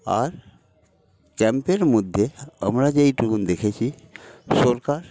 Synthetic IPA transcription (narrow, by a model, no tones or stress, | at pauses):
a̰ɾ | kɛmpijənmʊd̪ʱːjeə̰mɾad͡ʒeiʈukund̪ekʰet͡ʃʰi | soɾkaɾ